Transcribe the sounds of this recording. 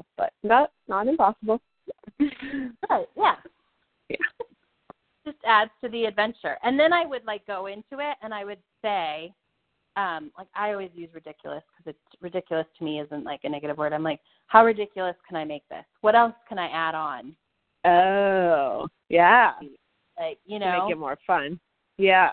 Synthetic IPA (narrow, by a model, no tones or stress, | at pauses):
b̥ʌ̰t̚ðət̚nəɾɨ̃mpɑsəbl̩ˠ | aɪjæ | jæ | d̥ʒ̥ʌstædz̥tʰɨðiɨdvɛ̃nt͡ʃə̰˞ʔɨ̃nðɨ̃naɪwɨdˡlaɪk̚ɡ̥oʊɪ̃ntʰʉɪtɨ̃naɪwɨd̥seɪ | ʌ̃mlaɪka̰ɪɔlˠwizjʉzɹɨdɪkʰjl̩ˠəskʰʌzɨtsɹɨdɪkjl̩ˠəstʰɨmiɪzɨ̃nʔla̰ɪkɨnɛɡɨɾɨvwɜ˞ɾãɪ̃mlaɪk̚ | haʊɹɨdɪkʰjl̩ˠəskʰɨ̃ñaɪmeɪk̚ðɪ̰swʌɾɛlˠskʰɨ̃naɪʔæɾn̩ | o | jæ | laɪk̚jɨnoeɪɨt̚mɔɹfʌ̃n | jæ